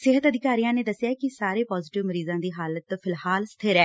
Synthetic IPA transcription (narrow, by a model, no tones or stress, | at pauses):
sɪɦət̪əd̪ɪkaːɾijãːneːd̪əsːɪjaːkɪsaːɾeːpɔːzɪʈɪʋməɾiːzãːd̪iːɦaːlət̪pʰɪlhaːlst̪ʰɪɾɛː